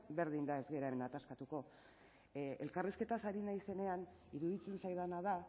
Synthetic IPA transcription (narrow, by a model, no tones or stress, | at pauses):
be̞ɾðind̪ae̞zɣe̞ɾaemenat̪askat̪uko̞ | e̞̰lkariske̞t̪asaɾinajse̞ne̞an | iɾuðit͡se̞nsajðanað̞a